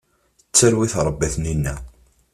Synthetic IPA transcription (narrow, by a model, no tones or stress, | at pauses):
ət͡sːəɾwiθɾˤəbːæθninːæ